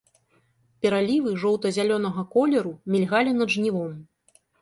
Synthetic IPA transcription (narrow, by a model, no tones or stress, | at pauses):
pʲɛɾalʲivɨʐɔwt̪ɐzʲalʲɔn̪ɐɣɐkɔlʲɛɾumʲilʲɣalʲinɐd̪ʐnʲivɔm